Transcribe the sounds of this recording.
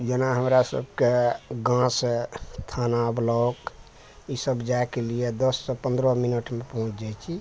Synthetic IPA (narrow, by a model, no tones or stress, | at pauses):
d͡ʒenaɦəmɾasə̰bkeɡãset̪ʰanablɔk | isəbd͡ʒaekelied̪əsːepə̃nd̪ɾəminəʈmepəɦũt͡ʃʰd͡ʒajt͡ʃʰi